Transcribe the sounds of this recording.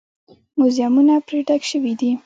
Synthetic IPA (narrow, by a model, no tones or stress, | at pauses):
mʊzjamunapɾeʈakʃəwid̪i